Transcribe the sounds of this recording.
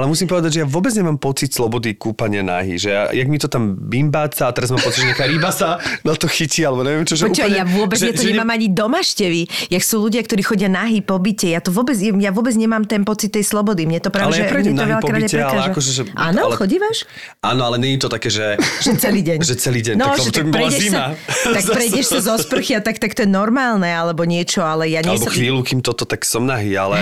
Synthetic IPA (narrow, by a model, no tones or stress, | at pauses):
alɛmusimpɔʋɛd̪aɟʒɛjaʋʊɔbɛd͡zɲɛmaːmpɔt͡sit̪slɔbɔd̪ikuːpaɲɪana̰ɦḭʒɛja̰jaɡmit̪ɔt̪ambimbaːt͡saːt̪ɛɾazmaːmpɔt͡siɟʒɛakaːɾibasanat̪ɔxiciːalɛbɔɲɛʋjɛmt͡ʃɔʒɛɔt͡ʃajaʋʊɔbɛʒjaɔɲɲɛɛmaːmaɲid̪ɔmaʃcɛʋijaksuːluɟɪakt̪ɔɾiːxɔɟɪanaɦipɔbicɛjat̪ɔʋʊɔbɛd͡zjɛjaʋʊɔbɛd͡zɲɛmaːmt̪ɛnpɔt͡sit̪ːɛjslɔbɔd̪imɲɛt̪ɔpɾalɛlɛjaɛpɾɛmɲɛmt̪ɔʋɛʎapɔkɾaːdiaɛɾɛalaɛʒaɛkɔʒɛʒɛʔaːnɔxɔɟiʋaʃ | ʔa̰ːnɔalɛɲɛɲit̪ɔt̪akɛːʒɛʒɛt͡sɛliːɟɛɲʒɛt͡sɛliːɟɛɲnɔaʒɛt̪aapɾɛɛisaat̪akpɾɛjɛʃsazɔspr̩xiat̪akt̪akt̪ɔjɛnɔɾmaːlnɛalɛbɔɲɪɛt͡ʃɔalɛjaɲalɛɛbɔxʋiːlukiːmt̪ɔt̪ɔt̪aksɔmnaɦiːa̰lɛ